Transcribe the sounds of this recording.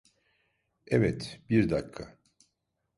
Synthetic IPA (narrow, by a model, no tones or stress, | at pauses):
ɛvɛt̪biɾd̪akʰːa̰